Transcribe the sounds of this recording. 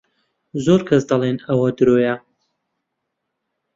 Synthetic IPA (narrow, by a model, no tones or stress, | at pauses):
zoɾkʰɐsd̪ɐlˠenɐwɐd̪ɨɾoːjɐ